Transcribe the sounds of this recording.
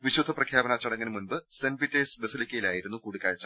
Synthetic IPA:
ʋiɕud̪ʱːɐprɐkʰjaːbɐnat͡ɕːɐɽɐŋːɐnɨmunbɨsenbitːeːsbesilikʲːɐjilaːjiɾunːukuːɽikʲːaːjɐt͡ɕːa

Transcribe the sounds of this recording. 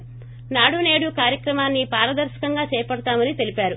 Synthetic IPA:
naːɽune̞ːɽukaːɾjɐkɾɐmaːnːipaːɾɐd̪ɐɾʃɐ̥kɐŋɡaːt͡ʃɛːpɐɽɐt̪aːmɐnit̪e̞lipaːɾu

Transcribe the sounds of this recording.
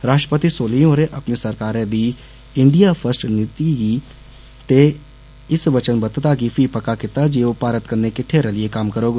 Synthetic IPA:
ɾaːʃʈɾəpət̪isoːlijõɾeʔɐpnisəɾkaːɾẽd̪i | ɪ̃ɳɖijapʰəɾsʈnɪt̪iɡi | t̪e | ɪsʋət͡ʃənbət̪t̪aɡipʰipəkakɪt̪ad͡ʒeopaːɾət̪kəɾnekɪʈʰeɾəlɪjekaːmkəɾoːɡ

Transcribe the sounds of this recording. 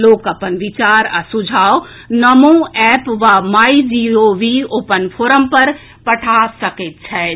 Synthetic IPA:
loːkɐpənʋɪt͡ʃaːɾəsʊd͡ʒʱaːo | nɐmõɛːpʋamaːid͡ʒioʋioːpənpʰoːɾəmpɐɾ | pɐʈʰasɐket̪t͡ʃʰɛ

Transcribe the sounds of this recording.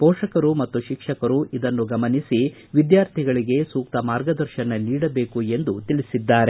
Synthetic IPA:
pɔːʂɐkɐɾumɐt̪ːuʃikʂɐkɐɾuʔid̪ɐnːuɡɐmɐnisi | ʋid̪jaːɾt̪ʰiɡɐɭiɡe̞suːk̚t̪ɐmaːɾɡɐd̪ɐɾʃɐnɐniːɽɐbe̞ːkue̞nd̪ut̪iɭisid̪ːaːɾe

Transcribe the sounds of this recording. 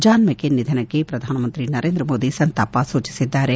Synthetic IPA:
d͡ʒaːnmɐkenid̪ʱɐnɐkːepɾɐd̪ʱaːnɐmɐnt̪ɾinɐɾeːnd̪ɾɐmoːd̪isɐnt̪aːpasuːt͡ʃi̥sid̪ːaːɾe

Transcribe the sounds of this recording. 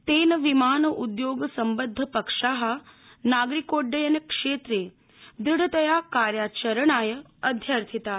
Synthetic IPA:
t̪eːnəʋimaːnəʔud̪joːɡsɐmbəd̪ʱːəpəkʂaːɦə | naːɡɾikoːɖəjənekʂeːt̪ɾe | d̪ɾɪɽət̪əjakaːɾjaːt͡ʃəɾəɳaːjə | ɐd̪ʱjəɾt̪ʰit̪aː

